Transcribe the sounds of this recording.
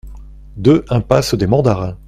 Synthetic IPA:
d̪øʔɛ̃pasd̪emɑ̃d̪aʁɛ̃

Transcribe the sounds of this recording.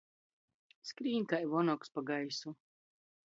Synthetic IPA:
skɾiːnkajvɔnɔkspaɡajsu

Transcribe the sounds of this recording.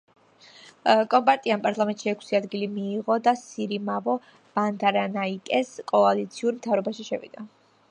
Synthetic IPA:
kʼɔmpʼaɾt̪ʼianpʼaɾt̪ʰʼlˠamɛnt̪ʼʃiɛkʰsiad̪ɡilimiːʁɔd̪asiɾimavɔ | b̥and̪aɾanaikʼɛskʼɔalit̪sʰiuɾmt̪ʰavɾɔbaʃiʃɛvḭd̪̥a

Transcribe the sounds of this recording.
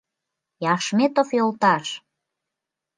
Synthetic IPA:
jɑʃmet̪ofjolt̪ɑʃ

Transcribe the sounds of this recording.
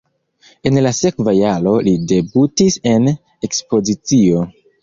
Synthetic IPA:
e̞nlase̞kvajalo̞lide̞butise̞n | e̞kspo̞zit͡sio̞

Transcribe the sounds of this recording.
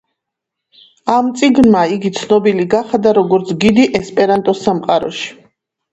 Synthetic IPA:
amt̪sʼiɡnmaiɡit̪sʰnɔbiliɡaχd̪aɾɔɡɔɾt̪sʰɡid̪iʔɛspʼɛɾant̪ʼɔsamqʼaɾɔ̰ʃi̥

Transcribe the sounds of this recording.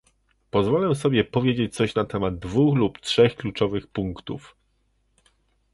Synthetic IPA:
pɔzvɔlɛsɔbʲjɛpɔvʲjed͡ʑet͡ɕ̚t̪sɔɕnat̪ɛmad̪̚d̪vuxluptʂɛxklut͡ʂɔvɘxpuŋkt̪uf

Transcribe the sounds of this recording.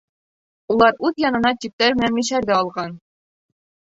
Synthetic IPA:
ulˠɑɾʉðjɒnɤ̆nɑt̪ip̚t̪æɾmɘ̆nænmiɕæɾd̪æɒlˠʁɑn

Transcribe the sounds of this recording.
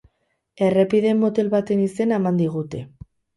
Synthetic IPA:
e̞re̞piðe̞mːot̪e̞lβat̪e̞nise̞nemand̪iɣ̞ut̪e̞

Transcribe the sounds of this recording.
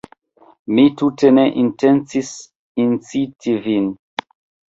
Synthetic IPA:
mituteneʔintent͡sis | int͡sitʰivin

